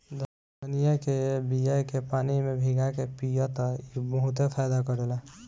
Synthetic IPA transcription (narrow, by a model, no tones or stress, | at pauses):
d̪əs | pənijakebijakepanimebʱiɡakepijɔt̪ɔibəɦut̪epʰajd̪akəɾela